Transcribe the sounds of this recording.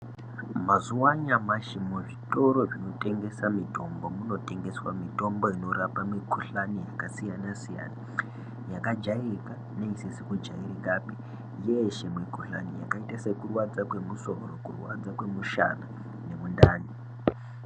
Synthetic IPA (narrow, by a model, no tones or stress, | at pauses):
mazuwaɲamaʃimuʐito̞ɾo̞ʐino̞te̞ŋɡe̞samitʰo̞mbo̞muno̞te̞ŋɡe̞swamito̞mbo̞ino̞rapamikʰuɬanijakasijanasija̰ːna | jakad͡ʒairika | neiisikud͡ʒairikapi | jeʃemwikuɬanija̰kaitase̞kurwad͡zakwe̞muso̞̰rokurwa̰d͡zakwe̞muʃa̰na | ne̞mundaːni